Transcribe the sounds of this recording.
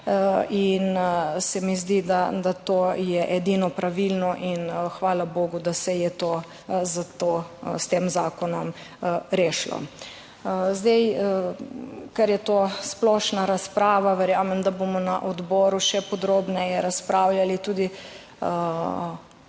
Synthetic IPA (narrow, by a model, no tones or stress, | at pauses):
insɛmizd̪id̪ad̪at̪ojɛʔɛd̪inɔpɾaʋilnɔʔinxʋaːlaboːɡud̪asɛjɛt̪oː | zat̪ost̪eːmzaːkɔnɔm | ɾeːʃlɔ̰ | zd̪ej | kaɾjɛt̪osplɔʃnaɾaspɾaːʋaʋɛɾjaːmɛmd̪abomɔnaʔɔd̪bɔːɾuʃɛpɔd̪ɾobnɛjɛɾaspɾaːwljalit̪uːd̪i